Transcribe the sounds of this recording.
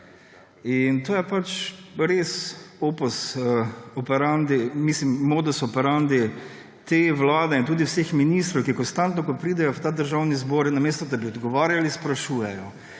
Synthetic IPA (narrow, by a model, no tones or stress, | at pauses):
int̪oːjɛpat͡ʃɾesoːpɔsəɔpɛɾand̪imislimːod̪ɔsɔpɛɾand̪i | t̪eʋlaːd̪ɛint̪uːd̪iwsexminist̪ɾɔwkikɔnst̪ant̪nɔkɔpɾiːd̪ɛjɔwt̪ad̪əɾʒawnizboːɾnameːst̪ɔd̪abiɔd̪ɡɔʋaːɾjalispɾaʃuːjɛjɔ